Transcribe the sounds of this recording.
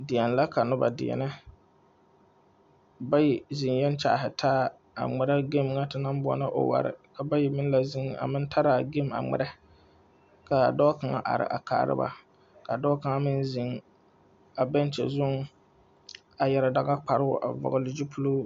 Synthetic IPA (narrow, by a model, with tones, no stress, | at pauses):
dɪ˨ɛ˨n˨la˦ka˨nʊ˦ba̰˨dɪ̰˨ɛ̰˨nɪ˦ | ba˦jɛ˨zi˨ŋjɛ˦n˦t͡ʃa˨ʔɦɪ˨tʰaː˦ | a̰˨ŋ͡mɛ˨ɾa˦ɡe˦mŋa˦tɪ˦na˦m˦bʊ˦ɔ̰˦na˦ʔo̰˨wa̰˨ɾɪ̰˨ka˨ba˦jɛ˨mɪ˦n˦la˨zi˦ŋa̰˨mɪ˦n˦tʰa˦ɾa˨ɡe˦˨ma̰˨ŋ͡mɛ̰˨ɾɛ˦ | ka˨dɔː˦ka˨ŋa̰˨ʔa̰˨ɾɪ̰˨ʔa˨ka̰ː˨˦˨ɾɪ̰˦ba̰˨ | ka˨dɔː˦ka˨ŋa˦mɪ˦nzi˨ŋ | a˨bɛ˦n˦t͡ʃɛ̰˨zʊ˦ŋ | a˨jɛ˨ɾa˨da˦ɣa˦k͡pa˨ɾɨ˦ʊ̰˨ʔa̰˨vɔ̰˨ɣʊ˦lɪ˦d͡ʒi˦pʰu˦lo˦